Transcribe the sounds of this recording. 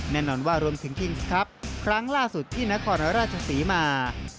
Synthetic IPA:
nɛː˥˩nɔː˧nwaː˥˩ɾu˧əmt̪ʰɯ˩˦ŋt̪ʰi˧ŋskʰa˦˥p̚kʰɾa˦˥ŋlaː˥˩su˨˩t̪ʰːiː˥˩na˦˥kʰɔː˧nɾaː˥˩t̪̚t͡ɕʰa˧siː˩˦maː˧

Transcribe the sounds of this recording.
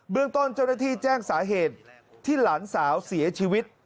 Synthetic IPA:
bɯ˥˩əŋt̪o˥˩nt͡ɕa˥˩wnaː˥˩t̪ʰiː˥˩t͡ɕɛː˥˩ŋsaː˩˦ɦeː˨˩t̪̚ʰː | iː˥˩laː˩˦nsaː˩˦wsi˨˩˦ɐt͡ɕʰiː˧wi˦˥t̪̚

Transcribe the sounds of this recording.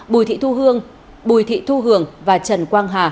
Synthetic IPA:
ɓu˨˩jt̪ʰḭ˧˨t̪u˧ɦɨ˧əŋ | ɓu˨˩jt̪ʰḭ˧˨t̪ʰu˧ɦɨ˨˩əŋvaː˨˩t͡ɕə˨˩nkwaː˧ŋɦaː˨˩

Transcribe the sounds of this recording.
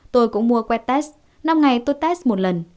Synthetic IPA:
t̪o˧jkʊ̰˧˥ŋ͡mmu˧əkwɛ˧˥t̪ɛ˦˥s | na˧mŋa˨˩jt̪o˧˦t̪ɛ˦˥smo˨˩t̚lə˨˩n

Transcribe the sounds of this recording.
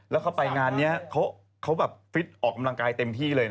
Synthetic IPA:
lɛ˦˥wkʰa˦˥wpa˧jŋaː˧nːi˦˥ɐkʰa˦˥w | kʰa˦˥wbɛː˨˩p̚fʰi˦˥t̪̚ʔɔː˨˩kːa˧mla˧ŋkaː˧jt̪e˧mt̪ʰiː˥˩lɤː˧jn

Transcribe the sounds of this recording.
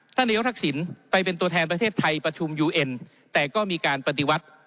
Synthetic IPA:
t̪ʰa˥˩naː˧jo˦˥t̪ʰa˥k̚si˩˦npa˧jpe˧nt̪u˧ɐt̪ʰɛː˧npɾa˧t̪ʰeː˥˩t̪ʰːa˧jpɾa˧t͡ɕʰu˧mjuː˧ʔe˧n | t̪ɛː˨˩kɔː˥˩miː˧kaː˧npa˧t̪i˧wa˦˥t̪̚

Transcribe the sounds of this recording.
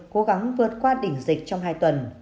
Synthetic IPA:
ko˨˦ɣa˨˦ŋvɨ˨˩ə˩t̚kwaː˧ɗï˧˩ŋ̟zi˨˩k̟̚t͡ɕɔ˧wŋ͡mɦaː˧jt̪wə˨˩n

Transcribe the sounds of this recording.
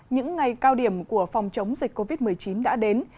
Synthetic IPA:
ɲɨ̰˧˥ŋːa˨˩jkaː˧wɗi˧˩əmku˧˩əfa˨˩wŋ͡mt͡ɕə˨˦wŋ͡mzï˨˩k̟̚ko˧vi˦˥t̚mɨ˨˩əjt͡ɕi˨˦nɗa̰ː˧˥ɗe˨˦n

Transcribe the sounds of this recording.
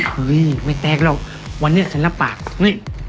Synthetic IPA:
ɯ˨˦jma˧˩t̪ɛː˧˩k̚lɔ˧˩ | wa˧nːi˧˥˩t͡ɕʰa˦nla˧˨paː˨˩k̚hɯ˧˥˩

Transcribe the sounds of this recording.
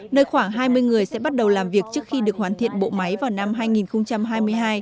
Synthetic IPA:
nəː˧jxwaː˧˩ŋɦaː˧jmɨ˧jŋɨ˨˩əjsɛ̰˧˥ɓa˦˥t̚ɗə˨˩wlaː˨˩mvi˨˩ək̚t͡ɕɨ˦˥ək̚xi˧ɗɨ˨˩ək̚waː˨˩nt̪ʰḭ˧˨ənɓo̰˧˨ma˨˦jvaː˨˩wna˧mɦaː˧jŋi˨˩nxə˧wŋ͡mt͡ɕa˧mɦaː˧jmɨ˧əjɦaː˧j

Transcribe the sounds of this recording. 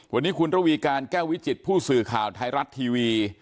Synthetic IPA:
wa˧nːiː˦˥kʰu˧nɾa˦˥˩wiː˧kaː˧nkɛː˥˩wi˦˥t͡ɕi˨˩t̪̚pʰuː˥˩sɯː˨˩kʰaː˨˩wt̪ʰa˧jɾa˦˥t̪ʰːiː˧wiː˧

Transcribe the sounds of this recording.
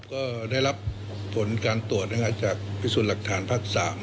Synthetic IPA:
kɔː˥˩da˥˩jɾa˦˥pʰː | o˩˦nkaː˧nt̪u˨˩ət̪̚na˧˥˧ŋaː˦˥˩t͡ɕaː˨˩k̚pʰiː˥˩suː˨˩t̪̚la˨˩k̚t̪ʰaː˩˦npʰaː˥˩k̚saː˩˦m

